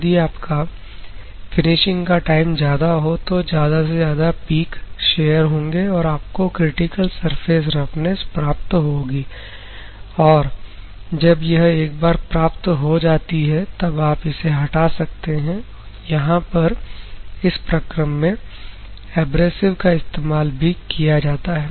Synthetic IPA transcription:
d̪iaːpka | fɪnɪʃɪ̃ŋɡkaʈaːɪmzjaːd̪aɦot̪ozjaːd̪asezjaːd̪apiːkʃeːjəɾɦõːŋɡeɔːɾaːp̚kokɾɪʈɪkəlsɐɾfʰeːzɾɐpʰnespɾaːp̚t̪ɦoːɡiː | ɔːɾ | d͡ʒɐbjɐɦeːk̚baːɾpɾaːpt̪ɦod͡ʒaːt̪iɦɛt̪ɐbaːpɪseɦɐʈasɐk̚t̪eɦɛ̃ | jɐɦãpɐɾ | ɪspɾɐkɾəmːẽ | ɛːbɾeːsɪʋkaɪst̪eːmaːlbʱikijad͡ʒaːt̪aɦɛː

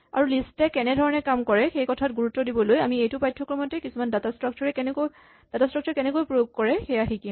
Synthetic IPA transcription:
a̰ɹulistɛkɛnɛdʱɔɹɔnɛkamkɔɹɛxejkɔtʰatɡuɹutːɔdibɔlojamiejtʊpajtʰːɔkɹɔmɔtɛkisumandatastɹak̚t͡ʃɔɹɛk | d̥atastɹɔk̚t͡ʃɔɹkɛnɛkojpɹojoɡ̚kɔɹɛxɛjaxikim

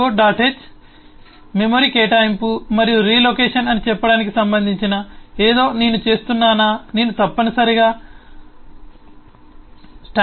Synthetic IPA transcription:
oɖaːʈeːt͡ʃ | memoːɾiːkeːʈaːjimpumɐɾijuɾiːloːkeːʂɐnɐnit͡ʃɛpːɐɽaːnik̬isɐmbɐnd̪ʱiɲt͡ʃinɐeːd̪o̞ːne̞ːnut͡ʃe̞ːst̪unːaːnaːne̞ːnut̪ɐpːɐnɐsɐɾiɡaː | sʈa

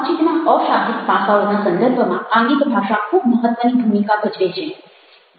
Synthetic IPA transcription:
t͡ʃʰit̪enãɔʃad̪ʱik̪pasaonasə̃nd̪əɾbʱəmããŋɡit̪bʱaʃakʰubməɦət̪ʋənibʱumikabʱəd͡ʒʋet͡ʃʰe

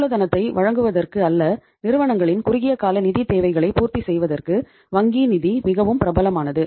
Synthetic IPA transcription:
lɐðɐnɐt̪ːɐɪʋʔɐɻɐŋɡɯʋɐðɐrkɯɐlːɐ | nɪɾɯʋɐɳɐŋɡɐɭɪnkʊɾɪɣɪjɐkaːlɐnɪðit̪eːʋɐɪɣɐɭɐɪpuːɾt̪isɛjʋɐðɐrkɯ | ʋɐŋɡinɪðimɪɣɐʋɯmpɪɾɐbɐlɐmaːnɐðɯ

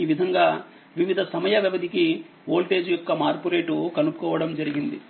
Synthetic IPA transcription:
iːʋid̪ʱɐŋɡaː | ʋiʋid̪ʱɐsɐmɐjɐʋjiʋɐd̪ʱiki | oːlʈe̞ːd͡ʒujɔkːɐmaːɾpuɾe̞ːʈukɐnupukɔːʋɐɽɐmd͡ʒɐɾiɡind̪i

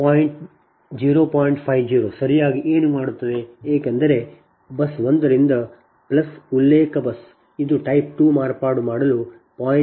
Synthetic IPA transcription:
paːjiɳʈ | d͡ʒiːɾoːpaːjɳʈpʰɐjʋd͡ʒiːɾoːsɐɾijaːɡiʔeːnumaːɽut̪ːɐd̪eeːkɛnd̪ɐɾe̞ | bɐsʋond̪ɐɾind̪ɐ | plɐsulːeːkɐbɐs | id̪uʈɐjp̚ʈuːmaːɾpaːɾɽumaːɽɐlu | paːj

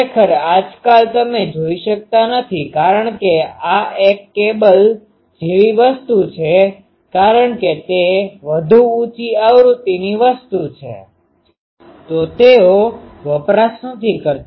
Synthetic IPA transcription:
ekʰəɾad͡ʒkalt̪əmed͡ʒoiʃək̚t̪anət̪ʰikaɾəɳkeaekːebəl | d͡ʒeʋiʋəst̪ut͡ʃʰe | kaɾəɳket̪eʋəd̪ʱuut͡ʃiaʋɾut̪iniʋəst̪ut͡ʃʰḛ | t̪ot̪eoʋəpɾasnə̃t̪ʰikəɾt̪

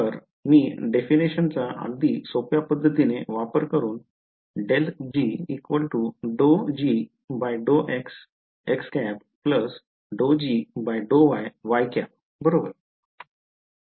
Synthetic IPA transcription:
t̪əɾ | miːɖefiniɕənt͡saʔa̰d̪ʱiːsopjapəd̪ʱːət̪ineʋapəɾkəɾuːn | ɖeld͡ʑiːkʋəlʈuɖod͡ʑi | bajɖoʔeks | ekskæp | pləs | ɖod͡ʑibajɖoʋajʋajkap̚ | bəɾobəɾ

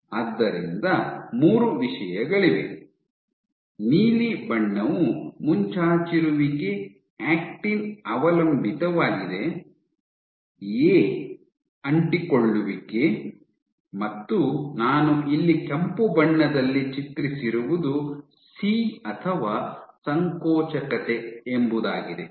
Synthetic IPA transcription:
ɐd̪ːɐɾind̪ɐmuːɾuʋiʃɐjɐɡɐɭiʋḛ | niːlibɐɳːɐʋumuɲt͡ʃaːt͡ʃiɾuʋike | aːk̚ʈinɐʋɐlɐmbʱit̪ɐʋaːɡid̪e̞ | eː | ɐɳʈikoɭːuʋike | mɐt̪ːunaːnuʔilːikempubɐɳːɐd̪ɐlːit͡ʃit̪ɾisiɾuʋud̪u | siːɐt̪ʰɐʋaːsɐŋkɔːt͡ʃɐkɐt̪e̞embud̪aːɡid̪e

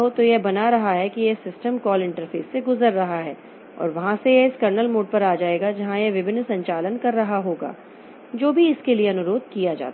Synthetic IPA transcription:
ɦot̪ojebɐnaɾɐɦaɦɛkijesɪsʈəmkɔːlɪ̃ɳʈəɾfḛːsːeɡʊzəɾːɐɦaɦɛː | ɔ̰ːɾʋɐɦãsejeɪskɐɾnəlmoːɖ̚pɐɾaːd͡ʒaːeːɡad͡ʒɐɦãjeʋɪbʱɪnːsɐ̃ɲt͡ʃaːlənkɐɾːɐɦaɦoːɡa̰ː | d͡ʒoːbʱiɪskelieɐnʊɾoːd̪̚kijad͡ʒa̰ːt̪

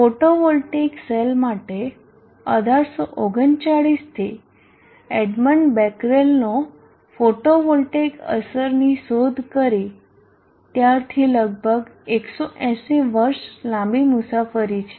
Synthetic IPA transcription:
foʈoʋolʈekselmaʈe | əd̪ʱaɾsoʔoɡənt͡ʃaɭist̪ʰi | ɛɖməɳʈbɛkɾelno | foʈoʋolʈekə̰səɾnisod̪ʱkəɾi | t̪jaɾt̪ʰiləɡ̚bʱəɡeksɔʔɛ̃seʋəɾslãmbimusafəɾit͡ʃʰe̥

